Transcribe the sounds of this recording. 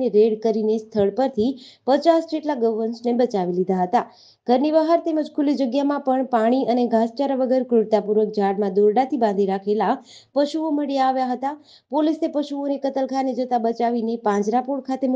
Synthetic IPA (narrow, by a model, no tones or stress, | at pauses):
eɾeɽkəɾinest̪ʰəɭpəɾt̪ʰipət͡ʃasd͡ʒeʈlaɡəʋənsnebət͡ʃaʋilid̪aɦət̪a | ɡ̥ʱəɾnibəɦaɾt̪eməd͡ʒkʰulid͡ʒəɡjamãpəɳpaɽ̃iəneɡʱãst͡ʃaɾəʋəɡəɾkɾʊɽt̪apuɾʋək̚d͡ʒaɽmãd̪oɾɖat̪ʰibãnd̪ʱiɾakʰela | pəʃuoməɽijaːʋjaɦət̪a | polisepəʃuonekət̪əlkʰaned͡ʒət̪abət͡ʃaʋinepãd͡ʒɾapoɽ̚kʰat̪em